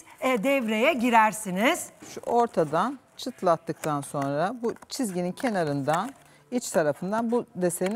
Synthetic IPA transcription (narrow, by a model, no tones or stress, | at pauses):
ɛd̪ɛvɾe̞jɛɟiɾæɾsiniz̥ʃṵo̞ɾt̪ʰad̪an | t͡ʃʰɯt̪ʰlˠat̪ʰːɯk̚t̪ʰanso̞nɾabut͡ʃʰizɟinincʰe̞naɾɯnd̪an | it͡ʃt̪ʰaɾafɯnd̪anbud̪e̞st̪ejin